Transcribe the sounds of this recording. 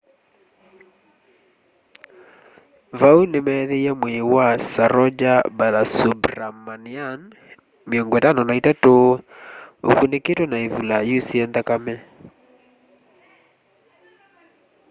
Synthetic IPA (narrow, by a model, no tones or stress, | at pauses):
vaunemɛðeijamwewasaɾɔd͡ʒabalasubɾamanian | meoŋɡɔetanɔnaitatoː | o̰kuneketonaevulajusiɛnðakamɛ